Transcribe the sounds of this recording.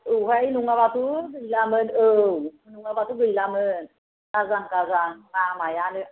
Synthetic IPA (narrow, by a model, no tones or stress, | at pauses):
ʔuhajnuŋaβat̪ubəllamənəwnuŋabat̪ubəllamən | kazaŋkazaŋamajanɨʔ